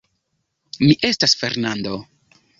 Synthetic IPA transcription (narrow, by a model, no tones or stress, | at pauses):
miʔe̞stasfe̞ɾnando